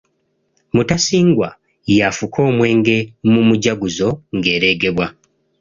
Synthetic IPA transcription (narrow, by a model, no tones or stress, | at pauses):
mutasiːŋɡwa | jafukʰo̞ːmwe̞ːŋɡe̞mumuɟaɡuzo̞ŋɡe̞ːɾe̞ːɡe̞βwa